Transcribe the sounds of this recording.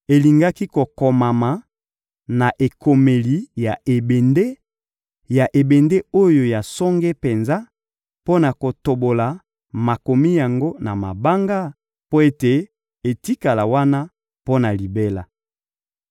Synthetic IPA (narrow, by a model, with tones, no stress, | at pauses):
e˨li˨ŋɡa˦ki˦ko˨ko˨ma˨ma˨ | na˨ʔe˨kʰo˨me˨li˨ja˨ʔe˨be˨nde˦ | ja˨ʔe˨be˨nde˦o˦jo˨ja˨sɔ˦ŋɡe˦pe˨nza˦ | po˦na˨ko˨to˨bo˨la˨ | ma˨ko˨mi˦ja˨ŋɡo˦na˨ma˨ba˦ŋɡa˦ | po˦e˦te˨ | e˨ti˦ka˨la˨wa˦na˦ | po˦na˨li˨be˦la˨